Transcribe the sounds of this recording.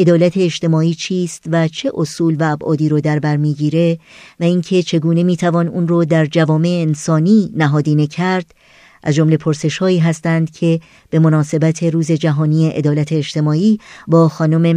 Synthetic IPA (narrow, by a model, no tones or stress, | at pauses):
ʔe̞d̪ɒːlæt̪ʰe̞ːʃt̪e̞mɒːiːt͡ʃʰiːst̪væt͡ʃʰe̞ʔosuːlvæːbʔɒ̰ːd̪iːɾod̪æɾbæɾmiːɟiːɾe̞væiːŋcʰe̞t͡ʃʰe̞ɡuːne̞miːt̪ʰævɒːnuːnrod̪æɾd͡ʒævɒːme̞eːnsɒːniːnæɦɒːd̪iːnecʰæɾd̪̥ | ʔæzd͡ʒo̞mle̞pʰoɾse̞ʃhɒːiːɦæst̪ænd̪̥cʰe̞ | b̥e̞mo̞nɒːse̞bæt̪ʰe̞ɾuːze̞d͡ʒæɦɒːniːeʔḛd̪ɒːlæt̪ʰe̞ːʃt̪e̞mɒːiːbɒːxɒːnome̞